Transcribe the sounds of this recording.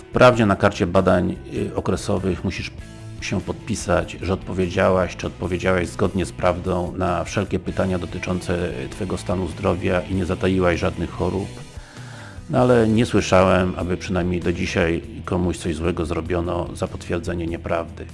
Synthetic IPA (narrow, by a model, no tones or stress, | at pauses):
fpɾʔavd͡ʑɛnakaɾt͡ɕɛbad̪aɲɔkɾɛsɔvɘxmuɕiʂ | ɕɛpɔt̪̚pʲisad͡ʑʐɛɔt̪̚pɔvʲed͡ʑawaɕt͡ʂɨɔt̪̚pɔvʲjed͡ʑawaʑzɡɔd̪ɲɛspɾavd̪ɔ̃w̃nafʂɛlkʲɛpɘt̪aɲad̪ɔt̪ɘt͡ʂɔnt̪sɛt̪fɛɡɔst̪anuzd̪ɾɔvʲjaʔiɲɛzat̪ajiwaʑʐad̪nɘxxɔɾup | nalɛɲɛswɘʂawɛma̰bɘpʂɘnajmʲɲejd̪ɔd͡ʑiɕajkɔmuɕt̪sɔʑzwɛɡɔzɾɔbʲjɔnɔ̰zapɔt̪fʲjɛɾd̪zɛɲɛɲɛpɾavd̪ɘ